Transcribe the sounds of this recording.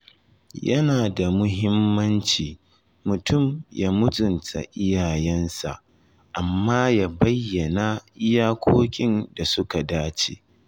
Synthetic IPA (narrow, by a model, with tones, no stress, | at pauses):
jɐ˦naː˨da˨mʊ˦ɦɪ˦mːɐ˦nt͡ʃiː˨ | mʊ˨tʊ˦˨mjaː˦mʊ˦t͡sʼʊ˨ntʰa̰˨ʔɪ˦jaː˨jɛ˦nsa̰˨ʔ | ʔa˨mːaː˦jaː˦bɐ˦jːɐ˨na˦ʔɪ˦jaː˦kʷʰoː˦kʲʼɪ˦nda˨sʊ˦ka˨daː˦t͡ʃḛː˨